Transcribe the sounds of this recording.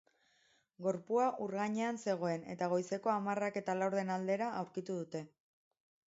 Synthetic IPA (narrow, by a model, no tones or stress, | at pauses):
ɡo̞ɾpuaʔuɾɣaɲe̞anse̞ɣ̞o̞e̞ne̞̰t̪aɣ̞o̞jse̞ko̞amarake̞t̪alawɾð̞e̞nald̪e̞ɾaʔawɾkit̪uðut̪e̞